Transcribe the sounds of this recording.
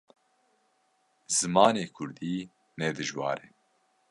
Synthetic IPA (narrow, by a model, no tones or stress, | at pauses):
z̥ɨmɑːneːkʰʊɾd̪iː | nɛd̪ɨʒwɑ̰ːɾɛ